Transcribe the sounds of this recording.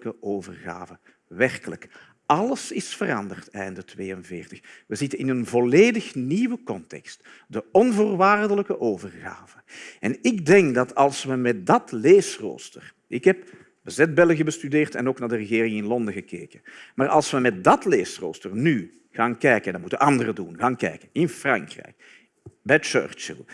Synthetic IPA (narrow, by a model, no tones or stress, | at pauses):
kəʔoːvərɣa̰ːvə | ʋɛrkələk | ɑləsɪsfəɾɑ̰ndərtɛjndətweːənvɪːrtəxʋəzɪtəɪnənvɔleːdəxniwəkɔntɛ̰kst | d̥əɔnvoːrʋaːrdələkəʔoːvərɣa̰ːvəɛnɪɡdɛŋkdɑtʰɑlˠsʋəmɛt̚dɑtleːsro̰ːstər | ʔɪkɦɛp | bəzɛd̚bɛləɣəbəstydeːrtɛ̰noːknaːrdərəɣeːrɪŋɪnlɔndəɣəkeːkənmaːrʔɑ̰lˠsʋəmɛt̚dɑtleːsro̰ːstərny | ɣaːnkɛjkəndɑmutənʔɑndərədunɣaːnkɛ̰jkənɪnfrɑ̰ŋkrɛ̰jk̚ | bɛjt͡ʃø̰ːrt͡ʃə̰lˠ